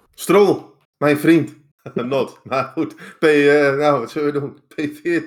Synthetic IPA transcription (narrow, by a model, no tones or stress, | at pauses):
strolˠ | mɛjnfrint | nɔtmautpejənawʋɔtsəlʋədunpʰejfɪə